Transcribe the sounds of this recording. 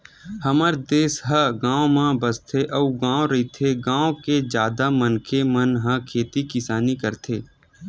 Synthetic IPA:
hɐməɾd̪eːsɦəɡãːõmãbəst̪ʰeʔɐuɡãːõɾɐit̪ʰeɡãːõked͡ʒjaːd̪amənkʰemənɦɐ̃kʰeːt̪ikɪsaːnikəɾt̪ʰeː

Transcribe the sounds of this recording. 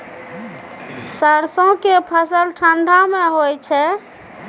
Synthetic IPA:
səɾsõkepʰəsəlʈʰəɳɖʱameɦojt͡ʃʰɛ

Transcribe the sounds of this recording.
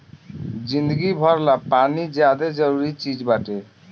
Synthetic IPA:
d͡ʑind̪əɡibʱɔɾlapanid͡ʑad̪ed͡ʑɔɾuɾit͡ɕid͡ʑbaʈe

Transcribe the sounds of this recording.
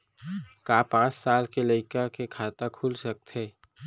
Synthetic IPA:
kaːpãːt͡ʃsaːlkelɐɪkakekʰaːt̪akʰuːlsɐk̚t̪ɦeː

